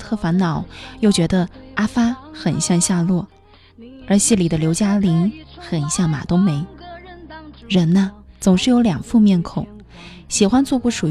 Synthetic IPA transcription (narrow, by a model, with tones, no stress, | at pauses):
t̪ʰɤ˥˩fa˧˥nnɑ˨˩˦ʊjo˥˩ʊt͡ɕɥɛ˧˥d̪ə˧a˥fa˥xə˨˩nɕjɑ˥˧ŋɕja˥˧lwɔ˥˩ | ə˞˧˥ɕi˥˩li˨˩d̪ə˦ljo˧˥ʊt͡ɕja˥li˧˥ŋxə˨˩nɕjɑ˥˩ŋma̰˨˩t̪ʊ˥ŋme˧˥ɪ | ɻə˧˥nnə˧t͡sʊ˨˩ŋʂɻ̩˥˩jo˧˥ʊljɑ˨˩ŋfu˥˧mjɛ˥˩nkʰo˨˩˦ʊ | ɕi˨˩xwa˥nt͡swɔ˥˧pu˥˩ʂu˨˩